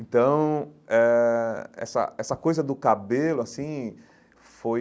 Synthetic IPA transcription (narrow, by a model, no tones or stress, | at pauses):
ẽt̪ɐ̃w̃ɛ | ɛ̰sɐ̰ɛsɐkojzɐd̪ʊkabelʊasĩ | foj